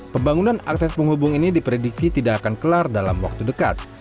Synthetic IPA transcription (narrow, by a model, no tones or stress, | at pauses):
pəmbaŋunana̰ksɛspəŋhubʊŋinidipɾediksit̪idakakankəlardalamwa̰k̚t̪udəka̰t̪̚